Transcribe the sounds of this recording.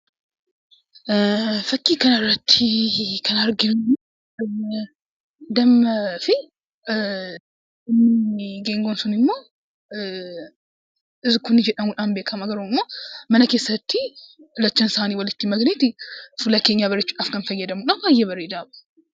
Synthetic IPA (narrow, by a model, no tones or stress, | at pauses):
fɐkːiːkɐnɐrːɐt̪ʰːɪkʰɐnɐɾɡɪn | d̪ɐmfɪ | ɪnːɪɡe̞ːŋɡonsʊnɪmːo̞ː | ɪzkʊnɪd͡ʒɛᶑɐmuᶑaːnbeːkʰɐmɐɡɐɾuɪmːoːmɐnɐkeːsːɐt̪ːɪlɐt͡ʃːɐnsaːniːwɔlɪt̪ːɪmɐɡneːt̪ɪfʊlɐke̞ːɲːabɐɾɛt͡ʃːʊᶑaːfkɐnfɐjːɛd̪ɐmuᶑanbaːjːɛbɐreːd̪aːbʊ̥